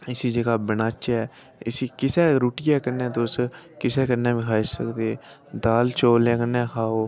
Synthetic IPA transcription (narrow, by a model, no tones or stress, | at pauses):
ɪsiːd͡ʒeːɡaːbənaːt͡ʃɛː | ɪsiːkɪsɛːɾuːʈɪjaːkənːɛːt̪ʊskɪsɛːkənːɛːʋĩːkʰaːɪʃsə̰kd̪eː | d̪aːlt͡ʃoːlẽːkənːɛ̃ːkʰaːoː